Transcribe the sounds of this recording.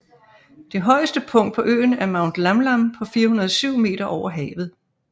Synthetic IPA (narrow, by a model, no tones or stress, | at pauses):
d̥e̝ɦɒ̽ɪəsd̥əpʰɔ̽ŋ̰d̥̚pʰɒ̽ʔø̰ːn̩æɐmɑ̈ʊnd̥lɑmlampʰɒ̽fiːɐhunɐð̞ˠsyʊ̰me̝̰ːd̥ɐʔɒʊ̰ɐɦɛ̰ːʋð̞̩ˠ